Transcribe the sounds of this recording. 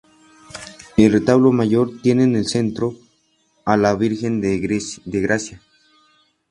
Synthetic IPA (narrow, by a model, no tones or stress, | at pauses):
elret̪aβlomaʝo̞ɾt̪je̞nenelse̞nt̪ɾo | alaβiɾxe̞nd̪eɣɾasja